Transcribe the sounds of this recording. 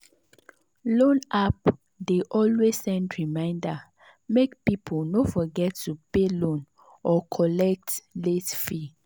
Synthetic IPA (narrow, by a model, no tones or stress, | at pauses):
lõnap | deʔɔlwez̥sɛ̃ndɹimãɪ̃nda | mekpipʰolnofɔɡɛtʰːupelõn | ʔɔkʰɔlɛk̚tletfi